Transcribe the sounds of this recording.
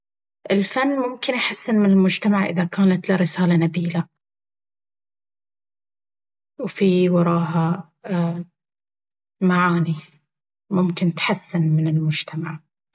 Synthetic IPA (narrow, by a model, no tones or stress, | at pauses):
ʔɪlfanːmʊmkɪnʔħasːɪnmɪnɪlmʊd͡ʒt̪amaʕʔɪ̰ðakaːnat̪lɪɾɪsaːlanabiːla | wfiwɑɾˤɑːɦa | maʕaːni | mʊmkɪnt̪ħasːɪnmɪnɪlmʊd͡ʒt̪ʰamaʕ